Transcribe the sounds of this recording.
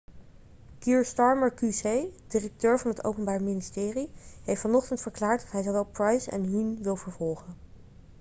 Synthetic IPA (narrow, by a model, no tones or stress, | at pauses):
kiːɹstɑɹməɹkysejdɪrək̚tøːɹvɑnɦəto̰wpənbaːɹmɪnistɪːriɦejftfɑnɔχtəntfəɹklaːɹtdɑtɦɛjzowʋɛlˠprɑjsɛ̰nɦinʋɪlˠvəɹvɔlˠχən